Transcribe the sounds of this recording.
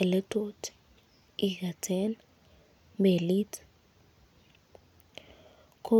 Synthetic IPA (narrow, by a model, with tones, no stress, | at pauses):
ɛ˨lɛ˦tʰʼotʰi̥ | i˨ka˨tʰɛ˦n | be˨li˦t | kʰo˦